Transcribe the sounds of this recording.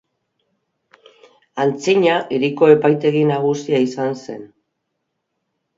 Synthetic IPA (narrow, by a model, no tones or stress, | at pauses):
ant͡siɲaʔiɾiko̞e̞pajt̪e̞ɣinaɣ̞usiaisanse̞n